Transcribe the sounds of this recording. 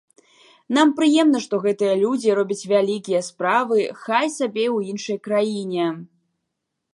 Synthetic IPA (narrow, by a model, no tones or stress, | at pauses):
nampɾɨjɛmn̪ɐʂt̪ɔɣɛt̪ɨjɐlʲud͡zʲiɾɔbʲɐt͡sʲvʲalʲikʲijɐspɾavɨxajsabʲewjinʂɐjkɾajinʲɛ